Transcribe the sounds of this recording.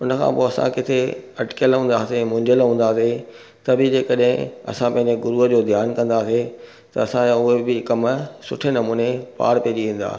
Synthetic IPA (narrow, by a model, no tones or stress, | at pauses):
ʊnə̆kʰã̰ːpoːɐsã̰kɪt̪ʰeɐʈɪ̥kjəlɦũːnd̪aːsemʊ̃ɲd͡ʑəlɦũːnd̪aːse | t̪ɐbɪd͡ʑeːkɐɗɦɪ̃ɐ̰sãpɐ̃ɦɪ̃ɲd͡ʑeɡʊɾuːəd͡ʑoːd̪ʱjaːnkɐ̃nd̪aːse | t̪ɐɐsãaʊɦebɪkɐmsʊ̰ʈʰenɐmuːnepa̰ːɽpiɦd͡ʑiʋĩːn̆d̪a̰ː